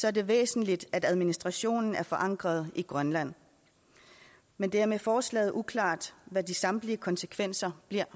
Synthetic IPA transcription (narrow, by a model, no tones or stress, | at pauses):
sɒ̽æɐd̥e̝ʋḛːsn̩lid̥ædæð̞ˠminisd̥ʁɑ̈ɕo̝̰ːnn̩æɐfɒ̽ʔɑ̈ŋ̰ɡ̥ʁɐð̞̩ˠiɡ̥ʁɶnlæn̰ | mend̥eɐæɐmefɒːslɛ̰ːð̩ˠʔukʰlɑ̰̈ːd̥ʋædisɑ̈md̥liəkʰɒ̽nsə̥kʰʋen̰sɐb̥liɐ